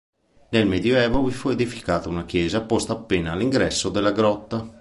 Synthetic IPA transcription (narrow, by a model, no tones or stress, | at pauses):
nelmɛd̪joɛːvovifued̪ifi̥kaːt̪aunak̟jɛːzapɔst̪aːpːeːnaːliŋɡɾɛsːod̪elːaɡɾɔt̪ːa